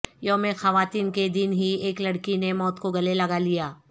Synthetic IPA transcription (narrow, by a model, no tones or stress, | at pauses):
jomẽxɐʋaːt̪iːnked̪ɪnɦieːklɐɽkinemɔːt̪koɡɐlelɐɡalijaː